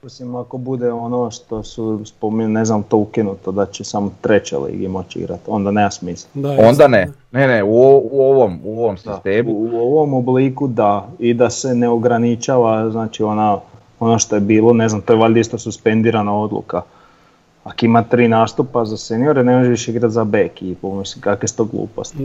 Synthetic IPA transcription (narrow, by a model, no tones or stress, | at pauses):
posimako̞bud̪eo̞noʃt̪o̞suspo̞miɲne̞znamut̪o̞ukinut̪od̪at͡ɕesamot̪ɾe̞t͡ɕḛlḭːɡimo̞t͡ɕḭɡɾa̰t̪o̞nd̪aneːmasmislond̪aneneneuouoʋomoʋomsi̥st̪eːmuuoʋo̞mobliːkud̪aid̪ase̞neoɡɾanit͡ʃaʋaznaːt͡ʃio̞na | o̞noʃt̪o̞jebiːlo̞ne̞znamt̪oeʋaʎʲd̪ist̪osuspe̞nd̪iːɾanao̞d̪lṵka | akoimat̪ɾiːnaːst̪upazasenijo̞ɾene̞moʒeiʃiɡɾat̪zabekiːpumisimkakʋest̪oɡlˠṵːpo̞̰st̪